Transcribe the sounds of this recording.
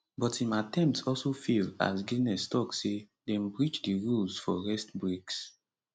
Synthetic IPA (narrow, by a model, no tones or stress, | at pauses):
bɔtĩmatɛ̃mp̚tsɔlsofila̰sɡinɛstɔkse | dɛ̃mbɹit͡ʃdiɹulsfɔɹɛstbɹeks